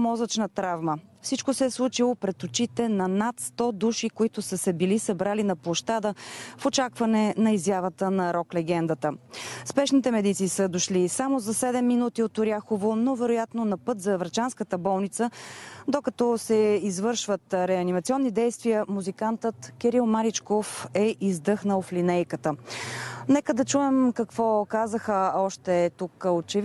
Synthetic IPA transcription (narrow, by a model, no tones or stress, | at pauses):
mɔzət͡ʃnət̪ɾavməfsit͡ʃkʊsɛːslˠut͡ʃilˠopɾɛt̪ot͡ʃit̪ɛnɐnat̪st̪ɔd̪uʃikoit̪ʊsəsɛbilisɐbɾalinɐplˠoʃt̪ad̪əfot͡ʃakvɐnɛnɐizjavət̪ənɐɾɔklɛɡɛnd̪ət̪əspɛʃnit̪ɛmɛd̪it̪siːsəd̪oʃlisamozɐsɛd̪ɛmːinut̪iot̪ʊɾjaxovonovɛɾʊjat̪nonɐpɤt̪zɐvɾt͡ʃanskət̪əbɔlˠnit̪səd̪okɐt̪ɔsɛizvɤɾʃvət̪ɾɛɐnimɐt̪siɔnːid̪ɛjst̪vijəmuzikant̪ət̪kɛɾilˠmaɾit͡ʃkofɛʔizd̪ɤxnəoflinɛjkət̪ə | nɛkəd̪ɐt͡ʃuɛmkɐkv̥ɔkazəxəɔʃt̪ɛt̪ukot͡ʃɛv